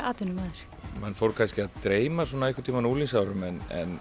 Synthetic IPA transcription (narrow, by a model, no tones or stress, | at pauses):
a̰ːt̪ʏnʏmaːðɪɾ̥ | manːfowɾkʰanscɪaðt̪ɾeːjmasɔnaɛkːʏ̥t̪ʰiːmanulins̬awɾʏmɛnɛ̰n